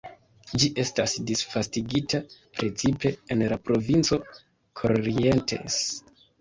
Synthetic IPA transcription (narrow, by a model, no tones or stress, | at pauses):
d͡ʒiʔe̞stasdisfastiɡitʰapɾet͡sipe̞enlapɾo̞vint͡so̞ | kʰoɾie̞nte̞̰s